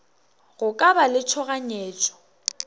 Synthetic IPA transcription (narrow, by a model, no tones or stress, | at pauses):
ɣʊkʼabalɪt͡ʃʰɔɣaɲeːt͡ʃʼɔ̥